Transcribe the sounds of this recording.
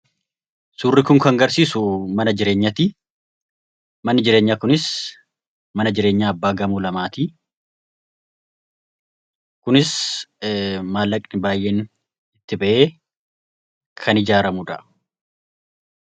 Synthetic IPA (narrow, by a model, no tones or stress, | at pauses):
suːrːɪkʊŋkɐŋɡɐɾsiːsʊmɐnɐd͡ʒɪɾe̞ːɲːɐt̪i | mɐnːɪd͡ʒɪɾeːɲːaːkʊnɪs | mɐnɐd͡ʒɪɾe̞ːɲːaːbːaːɡɐmuːlɐmaːt̪i | kʊnɪs | maːlːɐkʼnɪbaːjːeːn | ɪt̪ːɪbɐʔe̞ː | kʰɐnɪd͡ʒaːɾɐmʊᶑ̪ɐ